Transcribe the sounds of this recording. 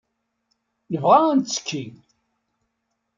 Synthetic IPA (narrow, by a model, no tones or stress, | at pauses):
jəvʁaænt̪t͡sːə̥kʰːi